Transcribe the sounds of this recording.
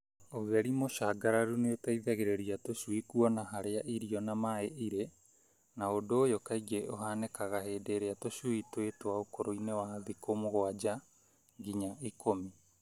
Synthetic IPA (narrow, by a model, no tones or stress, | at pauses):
oɣeɾimoʃaːɡaɾaɾuneotaiðaɣeɾeɾiatoʃuwikuɔnaɦaɾeaʔiɾiɔnamaeʔiɾe | naodoːjokaiɡeʔoɦaːnekaɣaɦeːdeɾeatoʃuitwetowaokoɾoinewaðikomoɣoad͡ʒa | ŋɡiɲaʔikomi